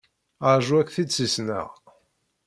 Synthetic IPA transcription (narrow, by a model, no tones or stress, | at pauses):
əɾʒuækːθid̪sisnə̰ʁ